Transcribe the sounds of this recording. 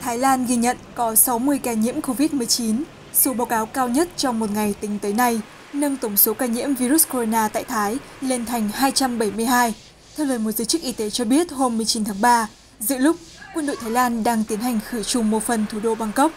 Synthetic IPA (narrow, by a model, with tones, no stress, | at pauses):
t̪ʰaː˨˦jlaː˧nɣi˧ɲə̰˧˨nkɔ˨˦sa˨˦wmɨ˧əjkaː˧˩ɲḭ˧˥əmko˧vi˦˥t̚mɨ˨˩əjt͡ɕi˨˦n | so˨˦ɓaː˨˦wkaː˨˦wkaː˧wɲə˦˥t̚t͡ɕɔ˧wŋ͡mmo˨˩t̚ŋa˨˩jt̪ï˨˦ŋ̟t̪əː˨˦jna˧j | nə˧ŋt̪ə˧˩ŋ͡mso˨˦kaː˧˩ɲḭ˧˥əmvi˧ɾu˦˥sko˧o˧naː˧t̪a̰ː˧˨jt̪ʰaː˨˦j | le˧nt̪ʰa˨˩jŋ̟haː˧jt͡ɕa˧mɓə˧˩jmɨ˧əjɦaː˧j | t̪ʰɛ˧wləː˧˩jmo˨˩t̚zəː˨˦jt͡ɕɨ˦˥k̚ʔi˧t̪e˨˦t͡ɕɔ˧ɓi˦˥ət̚ho˧mː˨˩əjt͡ɕi˨˦nt̪ʰaː˨˦ŋɓaː˧ | zɨ̰˧˥əlʊ˦˥k͡p̚kwə˧nɗo̰˧˨t̪ʰaː˨˦jlaː˧nɗaː˧ŋt̪i˨˦ənha˨˩jŋ̟xɨ˧˩t͡ɕʊ˨˩ŋ͡mmo˨˩t̚fə˨˩nt̪ʰu˧˩ɗo˧˩ɓa˧˩ŋkə˦˥wk͡p̚